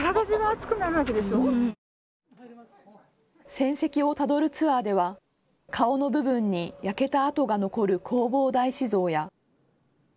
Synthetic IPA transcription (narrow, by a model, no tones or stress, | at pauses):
ɾaɡaʑiɡaːt͡sɨ̥kɯ̟naɾɯ̟βaked̪e̞so | sẽ̞ɰ̃se̞kʲio̞t̪ad̪o̞ɾɯ̟t͡sɨad̪e̞βa | kʰao̞no̞bɯ̟bɯ̟̃ɲ̟ːijake̞t̪aːt̪o̞ɡano̞ko̞ɾɯ̟kʰo̞ːbo̞ːd̪aiɕizo̞ːja